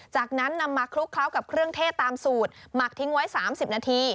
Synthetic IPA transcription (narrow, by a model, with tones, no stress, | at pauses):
t͡ɕaː˨˩k̚na˦˥nːa˧mːaː˧kʰɾu˦˥kʰla˦˥wka˨˩p̚kʰɾɯ˥˩əŋt̪ʰeː˥˩t̪ːaː˧msuː˨˩t̪̚ma˨˩k̚t̪ʰi˦˥ŋwa˦˥jsaː˩˦msi˨˩p̚naː˧t̪ʰiː˧